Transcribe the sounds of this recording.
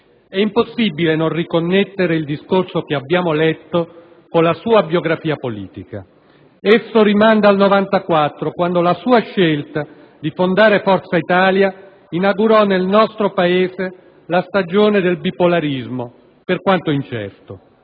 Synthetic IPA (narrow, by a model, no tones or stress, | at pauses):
ɛimposːibilenonrikonːɛt̪ːeɾeild̪iskorsokeabːjaːmolɛt̪ːo | konlasuːabjoɡɾafiːapolḭːt̪ika̰ | esːoɾimand̪alnovant̪akwat̪ːɾokwand̪olasuːaʃːelt̪a | d̪ifond̪aːɾefɔrt̪sait̪aːlja | inaɡuɾɔnelnɔst̪ɾopaeːze | last̪ad͡ʒoːned̪elbipolaɾizmo | perkwant̪oint͡ʃɛ̰rt̪o